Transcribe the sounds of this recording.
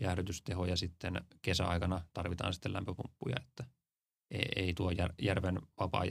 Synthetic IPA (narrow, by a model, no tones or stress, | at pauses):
jæhɾyt̪yst̪ehojɑsit̪ːenkesæ̰ɑ̰ikɑnɑt̪ɑrʋit̪ɑ̰ːnsit̪ːelæ̰mpøpumpːujɑ̰e̥t̪ːæ | ḛiḛit̪uojærjærʋenʋɑpɑ̰ːj